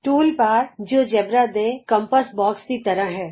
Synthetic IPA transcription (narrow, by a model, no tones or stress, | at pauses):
ʈuːlpaːɾd͡ʒoːd͡ʒɐbɾad̪eːkɐ̃mpəsbɔːkskit̪ɐɾəɦɦɛː